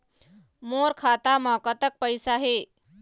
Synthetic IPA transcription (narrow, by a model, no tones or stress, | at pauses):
moɾkʰat̪aməkət̪ək̚pəjsaɦe